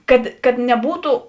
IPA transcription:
ˈkɐt kɐt nʲɛˈbuːtʊ

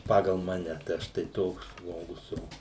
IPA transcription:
ˈpɑːɡɐlˠ ˈmɑːnʲɛ tɐɪ ˈɐʃ tɐɪ ˈtoːks ˈʒmoːɡʊs ˈoː

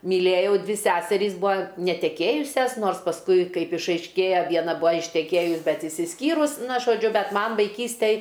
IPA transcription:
mʲiːˈlʲeːjɛʊ ˈdʲʋʲɪ ˈsʲæːsʲɛrʲiːs ˈbʊɐ nʲɛtʲɛˈkʲeːjʊsʲɛs ˈnoːrs pɐsˈkʊɪ ˈkɐɪp ɪʃɐɪʃʲˈkʲeːjɛ ˈʋʲiɛnɐ ˈbʊɐ ɪʃʲtʲɛˈkʲeːjʊs ˈbʲɛt ɪʃʲsʲɪsʲˈkʲiːrʊs ˈnɐ ʒoːˈd͡ʒʲʊ ˈbʲɛt ˈmɐn ʋɐɪˈkʲiːsʲtʲɛj

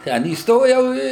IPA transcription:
ˈtʲɛn iːsˈtoːjɛʊ ˈɪ

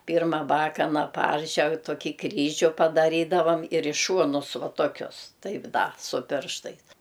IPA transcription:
ˈpʲɪrmɐ ˈbɑːkɐnɐ ˈpɐrʲʒʲɛk toːˈkʲiː ˈkrʲiːʒʲʊ pɐdɐˈrʲiːdɐʋɐm ɪr ɪ ˈʃuɔnʊs ˈʋɐ toːˈkʲʊs ˈtɐɪp ˈdɐ sʊ ˈpʲɪrʃtɐɪs

